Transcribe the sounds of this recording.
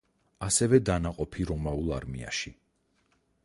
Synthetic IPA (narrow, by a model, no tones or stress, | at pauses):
asɛvɛd̪anaqʼɔpʰiɾɔmaulˠa̰ɾmḭa̰ʃi